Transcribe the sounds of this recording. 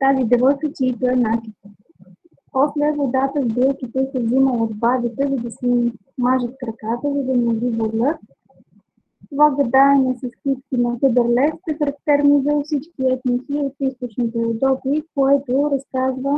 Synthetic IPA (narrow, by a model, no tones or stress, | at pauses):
t̪azid̪ɛvɔjkət͡ʃiit̪oɛnakit̪ | pɔslɛvod̪at̪əzbilˠkʲit̪ɛsɛvziməlˠɐd̪bavit̪ɛzɐd̪ɐsɛ | maʒət̪̚kɾɐkat̪əzəd̪ɐnoɡivolʲət̪ | t̪ovaɡɐd̪aɛnɛsɐskit̪kʲinɐxəd̪əɾlɛft̪ɛxɐɾɐk̚t̪ɛɾnizɐfsit͡ʃkʲiɛt̪nit̪siot̪ist̪ot͡ʃnit̪ɛod̪ɔkikoɛt̪oɾɐskazvə